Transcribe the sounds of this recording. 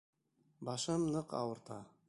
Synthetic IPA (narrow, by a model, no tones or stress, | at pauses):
bɑʃɤmnɤqɑ̰wɤ̆ɾt̪ɑ